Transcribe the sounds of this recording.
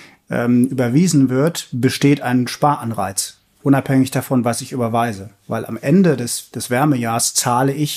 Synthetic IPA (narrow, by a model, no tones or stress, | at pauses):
ʔɛ̰ːmʔyːbɐviːzn̩vɪɐtb̥əʃteːtaɪnʃpaːɐʔanʁa̰ɪt͡s | ʔʊnaphɛŋɪçd̥afɔnvasɪçyːbɐvaɪzəva̰ɪlʔa̰mʔɛndədɛsd̥ɛsv̥ɛɐməjaːɐst͡saːləɪç